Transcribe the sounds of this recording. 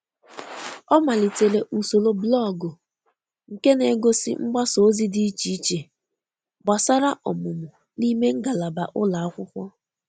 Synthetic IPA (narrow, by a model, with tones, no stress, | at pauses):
ɔ˦ma˨li˨te˨le˨ʔu˨so˨lo˦blɔ˦˨ɡʊ˨ | ŋ̩˨ke˦ne˨˦ɡo˦sḭ˦ŋ͡m̩˦ɡ͡ba˦so˨˦zi˦di˦i˦t͡ʃi˨i˦t͡ʃe˨ | ɡ͡ba˨sa˦ɾa˦ʔɔ˨mʊ˨mʊ˨ | li˦me˦ŋ̩˦ɡa˨la˨ba˨ʔʊ˦la˨a˦kʷʊ˦kʷɔ˦